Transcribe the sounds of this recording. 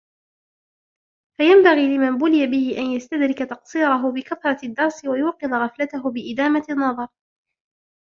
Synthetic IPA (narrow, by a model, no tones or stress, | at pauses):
fajambaɣiːlɪmanbʊlɪjabɪhɪʔanjast̪ad̪ɾɪkat̪ɑqsˤiːɾˤɑɦʊbɪkaθɾˤɑɪd̪ːɑɾˤsɪwajuːqɨðˤɣɑflat̪aɦʊbɪʔɪd̪aːmaɪnːɑðˤɑɾˤ